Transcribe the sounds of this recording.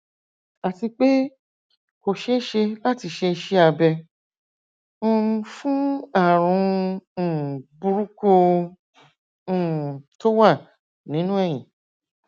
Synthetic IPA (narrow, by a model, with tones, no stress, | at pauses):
a˨ti˧k͡pe˦ | ko˨ʃe˧˦ʃe˧la˦ti˧ʃe˧ʃe˦a˧bɛ˧ | õ˦˧ũ˧fũ˦a˦˨ɾ̃ũ˨˧˦ | bu˧ɾu˦ko˧˦˨ | to˦wa˦˨ | nĩ˨˦nũ˦ɛ˦˨j̃ĩ˨